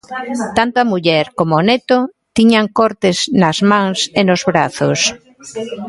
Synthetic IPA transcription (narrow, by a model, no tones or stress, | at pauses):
t̪ant̪oamuʎɛɾkomonet̪o | t̪iɲaŋkɔɾt̪esnɐzmãŋsenozβɾaθos